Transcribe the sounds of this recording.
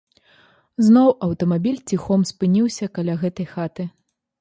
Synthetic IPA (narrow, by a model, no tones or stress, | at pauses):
znɔwʔɐwt̪ɐmabʲilʲt͡sʲixɔmspɨnʲiwsʲɐkalʲaɣɛt̪ɐjxat̪ɨ